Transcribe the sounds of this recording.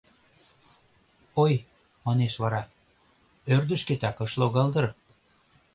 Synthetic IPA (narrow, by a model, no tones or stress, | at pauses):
oj | mɑneʃβɑɾɑ | ørd̪ə̆ʃket̪ɑkɤʃloɣɑld̪ɤ̆r